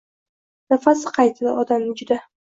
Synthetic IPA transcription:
nafasɪqʰɑjt̪ʰɪd̪a̰ɒd̪amnɪd͡ʒʊd̪a

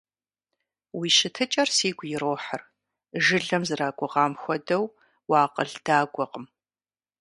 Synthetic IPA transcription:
wiːʃɪtʰɨt͡ʃʼɐrsiːɡʷʊjɪɾoːħər | ʒɨɮɐmzɨraːɡʷʼʊʁɑːmxʷɔdɐw | wɑːqəɮd̥aːɡʷɔqʼəm

